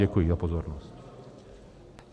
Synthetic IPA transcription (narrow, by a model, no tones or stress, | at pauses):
ɛkujizapɔzɔɾnɔst̪